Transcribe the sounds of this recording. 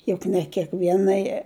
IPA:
ˈjʊk nʲɛ kʲiɛkˈʋʲiɛnɐɪ

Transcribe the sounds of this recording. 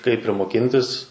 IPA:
kɐɪp ɪr moːˈkʲɪnʲtʲɪs

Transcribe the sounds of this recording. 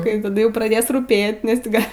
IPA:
kɐɪ tɐˈdʊ ˈjɛʊ prɐˈdʲeːs ruːˈpʲeː nʲɛs tʲɪ ɡɐ

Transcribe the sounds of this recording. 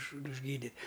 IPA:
ʊʃ ʊʒʲˈɡʲiːdʲɪ

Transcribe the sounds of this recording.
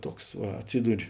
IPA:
ˈtuɔks ˈʋɐ ɐtʲˈsʲiːdʊrʲɪ

